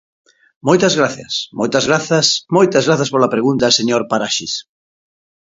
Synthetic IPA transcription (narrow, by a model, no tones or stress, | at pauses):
mojt̪ɐzɣɾaθjɐ̰smojt̪ɐzɣɾaθɐsmojt̪ɐzɣɾaθaspoɾlapɾeɣunt̪aseɲoɾpaɾaʃis